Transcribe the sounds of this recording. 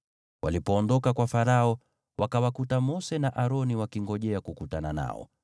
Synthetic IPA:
walipɔːndɔkakwafaɾaɔ | wakawakutamɔsɛnaʔaɾɔniwakiŋɡɔʄɛakukutanana̰ɔ̰

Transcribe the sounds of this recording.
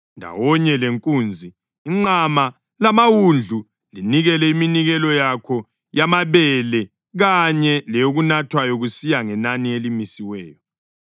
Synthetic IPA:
ndʱa̰wɔɲɛleŋkʼuːnd͡zʱiː | ŋ͡ǃama | lamawund͡ɮʱu | liniɣɛlɛiminiɣɛlɔjakʰɔ | jamaβɛlɛ | ɣaɲɛlɛjoɣunatʰwajɔɣusijaŋɛnanielimisiwɛ̰ːjɔ

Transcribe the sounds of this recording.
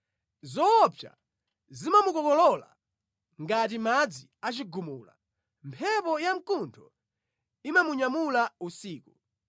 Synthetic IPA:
zɔːpʰja̰ | zimamukɔkɔlɔla̰ | ŋɡatimad͡ziat͡ʃiɡumuːla̰ | mpʰɛpɔjam̩kuntʰɔ | imamuɲamulausiːku

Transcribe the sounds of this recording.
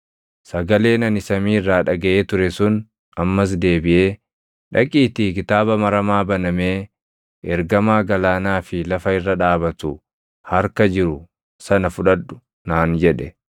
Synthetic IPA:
sɐɡɐle̞ːnɐnɪsɐmiːɪrːaːᶑɐɡɐʔe̞ːt̪ʊɾɛsʊn | ɐmːɐs̬d̪e̞ːbɪʔe̞ː | ᶑɐkʼiːt̪ikɪt̪aːbɐmɐɾɐmaːbɐnɐme̞ː | ɛɾɡɐmaːɡɐlaːnaːfɪlɐfɐɪrːɐᶑaːbɐt̪ʊ | hɐɾkɐd͡ʒɪɾʊ | sɐnɐfʊᶑɐᶑʊ | naːnd͡ʒɛᶑɛ

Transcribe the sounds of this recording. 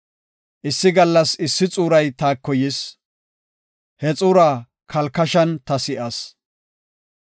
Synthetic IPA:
ʔɪsːɪɡɐlːɐsɪsːɪt͡sʼuːɾɐjt̪aːkːɔjɪs | hɛt͡sʼuːɾaː | kʰɐlkɐʃɐnt̪ɐsɪʔɐs

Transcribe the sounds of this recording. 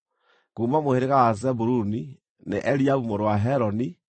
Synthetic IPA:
kuːmamoheɾeɣawazɛbuɾuni | nḛʔɛɾiaβumoɾwaɦɛɾɔni

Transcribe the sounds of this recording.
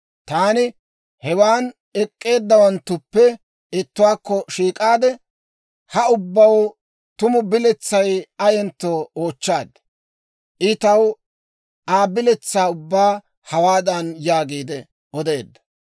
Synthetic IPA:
t̪aːnɪ | hɛwaːn | ɛkʼːe̞ːd̪ːɐwɐnt̪ːʊpːɛ | ɪt̪ːʊwaːkːɔʃiːkʼaːd̪ɛ | hɐʊbːɐw | t̪ʊmʊbɪlɛt͡sːɐjɐjɛnt̪ːoːoːt͡ʃːaːd̪ɛ | ʔɪt̪ɐw | aːbɪlɛt͡sːaːʊbːaː | hɐwaːd̪ɐnjaːɡiːd̪ɛ | ʔɔd̪e̞ːd̪ːɐ̥

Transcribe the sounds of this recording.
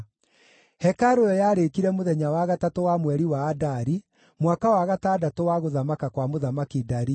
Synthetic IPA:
hɛkaɾojɔjaɾekiɾɛmoðɛɲawaɣatatowamwɛɾiwaːdaɾi | mwakawaɣataːdatowaɣoðamakakwamoðamakidaɾi

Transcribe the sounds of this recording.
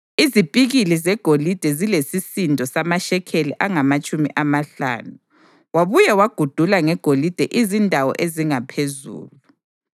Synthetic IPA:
izipʼiɣilizɛɡ̥ʱolid̥ʱɛzilesisindʱɔsamaʃɛkʰeliʔaŋamat͡ʃʼumḭʔamaɬa̰ːnu | waβujɛwaɡ̥ʱud̥ʱulaŋɛɡ̥ʱolid̥ʱɛʔizindʱawɔ̰ʔeziŋapʰezṵːlu

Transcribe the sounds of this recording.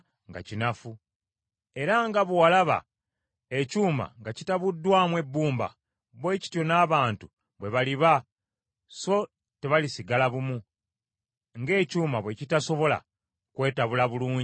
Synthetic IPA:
ŋɡa̰cinafu | e̞ɾaŋɡaβuwalaβa̰ | ecuːma̰ŋɡacitaβudːwaːmwe̞bːuːmba̰ | βwe̞ːci̥tjo̞naːβaːntu | βwe̞βaliβa | so̞ | te̞βalisiɡalaβumu | ŋɡe̞ːcuːmaβwe̞citaso̞βo̞la̰ | kwe̞ːtaβulaβuluːɲ

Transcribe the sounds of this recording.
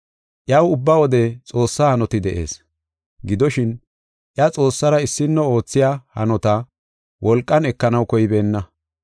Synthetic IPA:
ʔjɐwʊbːɐwɔd̪ɛt͡sʼo̞ːsːaːhɐnɔt̪ɪd̪ɛʔe̞̰ːs | ɡɪd̪ɔʃɪn | ʔjɐt͡sʼo̞ːsːɐɾɐɪsːɪnːɔo̞ːt͡sːɪjaːhɐ̰nɔt̪ɐ | wʔɔlkʼːɐnɛkːɐnɐwkɔjɪbe̞ːnːɐ

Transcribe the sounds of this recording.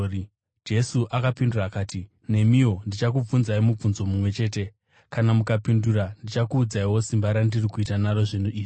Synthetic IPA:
d͡ʒe̞suʔakapinduraːkaːti | ne̞mio̞ndit͡ʃak̬ub͡vunzaimub͡vunzo̞mumwe̞t͡ʃe̞ːte̞ | kanamukapindurandit͡ʃakuːd͡zaiwo̞simbaɾandirikuitanaɾo̞ʐinuiːʐi

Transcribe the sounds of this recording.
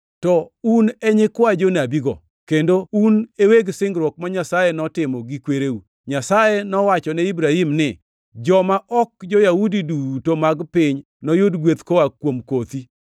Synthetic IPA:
tɔunɛɲɪkwad͡ʒonabiɡɔ̰ | kendouneweɡsɪŋɡɾwɔk̚maɲasajenɔtɪmɔɡikweɾeu | ɲasajenɔwat͡ʃɔnɛibɾahimnɪ | d͡ʒɔmaʔɔk̚d͡ʒɔjaudidutomaɡpɪɲ | nɔjʊdɡwet̪kowakwomkot̪i

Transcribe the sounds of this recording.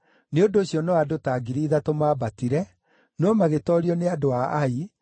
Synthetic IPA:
neondoːɕiɔnɔadotaːɡiɾiðatomaːbatiɾɛ | nɔmaɣetɔːɾiɔneadoaːi

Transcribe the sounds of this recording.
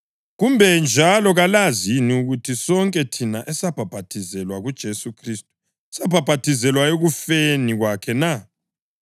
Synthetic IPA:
ɣumbʱɛnd͡ʒʱalɔɣalaziniuɣutʰisɔŋkʼɛtʰinaʔɛsab̥ʱab̥ʱatʰizɛlwaɣud̥ʒ̥ʱesukʰristʼu̥ | sab̥ʱab̥ʱatʰizɛlwaeɣufeniɣwakʰɛna

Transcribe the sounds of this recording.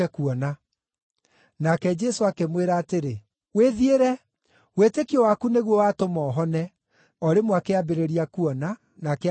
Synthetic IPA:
ɛkuɔna | nakɛd͡ʒɛsoakemweɾaːteɾe | weðieɾɛ | wetekiɔwakuneɣwɔwaːtomɔːɦɔnɛ | ɔɾemwakeabeɾeɾiakuɔna | nake

